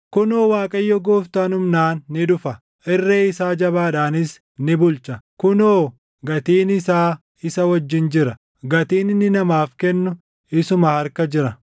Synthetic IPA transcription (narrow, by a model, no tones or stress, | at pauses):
kʊnoːwaːkʼɐjːɔɡoːft̪aːnʊmnaːnːɪᶑʊfɐ | ʔɪrːeːɪsaːd͡ʒɐβaːᶑaːnɪs | nɪbʊlt͡ʃɐkʊnoː | ɡɐt̪iːnɪsaː | ɪsɐwɐd͡ʒːɪnd͡ʒɪɾɐ | ɡɐt̪iːnɪnːɪnɐmaːfkɛnːʊ | ɪsʊmɐhɐɾkɐd͡ʒɪɾɐ